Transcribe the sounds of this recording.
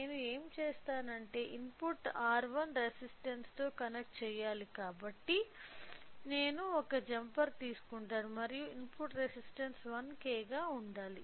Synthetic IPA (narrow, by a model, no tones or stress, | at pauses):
ne̞ːnue̞ːmt͡ʃeːst̪aːnɐɳʈe̞ːʔimpuʈːaːɾʋɐnɾesisʈɐnst̪o̞ːkɐnek̚ʈt͡ʃɛːjaːlikaːbɐʈːi | ne̞ːnuɔkɐd͡ʒɐmpɐɾt̪iːsu̥kuɳʈaːɽumɐɾijuimpuʈɾesisʈɐnsʋɐnkɛːɡaːuɳɖaːli